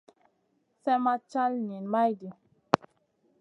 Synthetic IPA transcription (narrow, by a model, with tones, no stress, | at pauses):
sɛ˦ma˦t͡ʃa˦lɲi˨nma˦jdi˨